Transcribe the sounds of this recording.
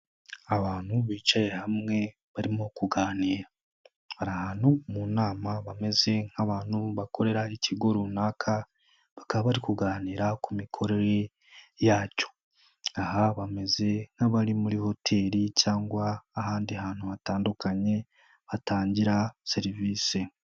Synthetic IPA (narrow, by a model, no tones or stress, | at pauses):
aβaːn̥huβiːt͡ʃaje̞hamŋe̞ | βaɾimokuɡaːniːɾa | haɾahaːn̥humunaːmaβame̞ze̞ŋ̥haβaːn̥huβako̞ɾe̞ɾaicʰiɡo̞ɾunaːkʰa | βakaβaβaɾikuɡaːniːɾakumikʰo̞ɾe̞ɾe̞ | jaːco̥ | aɦaβame̞ze̞ŋ̥haβaɾimuɾiho̞tʰe̞ːɾicaːŋɡwaːɦaːndihaːnhuβataːndukaɲe̞ | βataːɲɟiɾase̞ɾiviːse